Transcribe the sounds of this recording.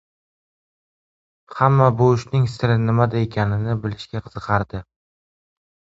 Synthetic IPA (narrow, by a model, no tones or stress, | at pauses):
hamːabʊʊʃnɪŋsɪɾɪnɪmad̪ae̞kʲʰanɪnɪbɪlɪʃkʲaqʰɨz̥ɨqʰɑɾd̪ɪ